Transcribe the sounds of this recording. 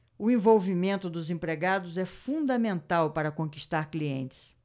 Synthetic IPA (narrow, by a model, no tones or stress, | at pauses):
ʊẽvowvimẽnt̪ʊd̪ʊzẽpɾeɡad̪ʊzɛfũd̪ɐmẽnt̪awpaɾɐkõkiʃt̪aɾkliẽnt͡ʃɪ̥s